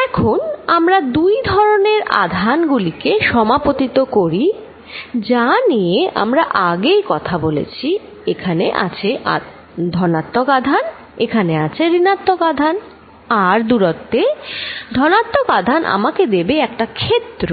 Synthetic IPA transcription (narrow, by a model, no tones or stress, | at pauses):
ɛkʰonamɾad̪ujd̪ʱɔɾoneɾa̰d̪ʱanɡulikeʃɔmapot̪it̪okoɾi | d͡ʑanijeʔa̰mɾaʔaɡejkɔt̪ʰabolḛt͡ɕʰi | ekʰanḛʔa̰t͡ɕʰeʔa̰ | d̪ʱɔnat̪ːokad̪ʱan | ekʰaneat͡ɕʰeɾinat̪ːokad̪ʱan | aɾd̪uɾot̪ːed̪ʱɔnat̪ːokad̪ʱanʔa̰maked̪ebeɛk̚ʈakʰet̪ːɾo